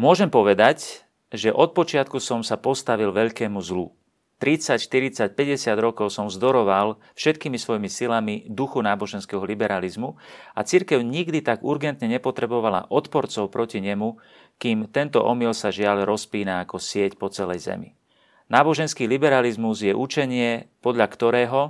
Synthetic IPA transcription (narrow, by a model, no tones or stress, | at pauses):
mʊɔʒɛmpɔʋɛd̪ac | ʒɛʔɔt̪̚pɔt͡ʃɪat̪̚kusɔmsapɔst̪aʋilʋɛʎkɛːmuzlṵ | t̪ɾit͡sacʃt̪iɾit͡sac̚pɛɟɛsɪad̪ɾɔkɔʊsɔmzd̪ɔɾɔʋal | fʃɛt̪kiːmisʋɔjimisilamid̪uxunaːbɔʒɛnskɛɦɔlibɛɾalizmuat͡siɾkɛʊɲiɡd̪it̪aɡuɾɡɛnt̪ɲɛɲɛpɔt̪ɾɛbɔʋala̰ʔɔt̪pɔɾt͡sɔʊpɾɔciɲɛmu | kiːmt̪ɛnt̪ɔ̰ʔɔmilsaʒɪaʎɾɔspiːnaːkɔsɪɛcpɔt͡sɛlɛjzɛ̰mḭ | naːbɔʒɛnskiːlibɛɾalizmuzjɛʔut͡ʃɛɲɪɛpɔd̪ʎakt̪ɔɾɛːɦɔ